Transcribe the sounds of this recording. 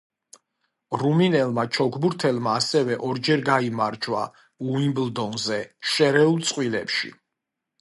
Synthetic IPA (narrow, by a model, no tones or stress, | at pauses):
ɾuminɛlˠmat͡ʃʰɔɡʰbuɾt̪ʰɛlˠmaːsɛvɛʔɔɾd͡ʒɛɾɡaimaɾd͡ʒwa̰ | uimbld̪ɔnzɛʃɛɾɛulˠt̪sʼqʼwilɛ̰pʃḭ